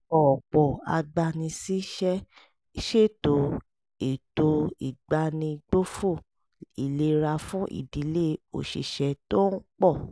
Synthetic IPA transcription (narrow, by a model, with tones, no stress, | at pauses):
ɔ˨k͡pɔ˨a̰˧ɡ͡ba˧nĩ˧si˦ʃɛ˦ | ʃe˦˨to˨˦ | e˨to˧˦ḭ˨ɡ͡ba˧nĩ˧ɡ͡bo˦fu˦˨ | i˨le˦ɾa˧fũ˦ʔḭ˨di˨˦le˦o̰˨ʃḛ˨ʃɛ˧to˦k͡pɔ˦˨